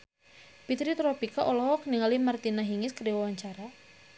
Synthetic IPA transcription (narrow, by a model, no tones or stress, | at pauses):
pit̪ɾit̪ɾɔpikaʔɔlɔhɔkəniŋalimart̪inaɦiŋɪskəɾiwawaɲt͡ʃaɾa